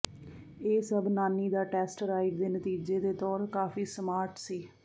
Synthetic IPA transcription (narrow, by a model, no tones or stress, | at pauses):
eːsəbnaːniːd̪aːʈɛːsʈɾaːɪkd̪eːnət̪iːd͡ʒeːd̪eːt̪ɔːɾkaːfiːsəmaːɾʈsiː